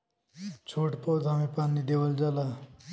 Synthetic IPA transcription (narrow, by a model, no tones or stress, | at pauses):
t͡ʃʰoʈpɔwd̪amipanːid̪eʋəld͡ʒala